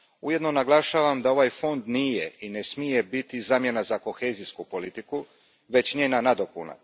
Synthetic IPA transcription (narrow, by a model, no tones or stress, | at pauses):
uje̞d̪no̞naɡlˠaʃaːʋamd̪ao̞ʋajfo̞nd̪niːje̞ine̞smije̞bit̪izaːmje̞nazako̞xeːziskupo̞lit̪iku | ʋe̞t͡ɕɲeːnanad̪o̞puna̰